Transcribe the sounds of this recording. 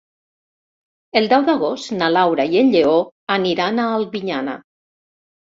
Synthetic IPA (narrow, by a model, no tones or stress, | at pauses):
elˠd̪ɛwd̪aɣ̞ost̪nalawɾaienʎeoaniɾanaːlˠβiɲana̰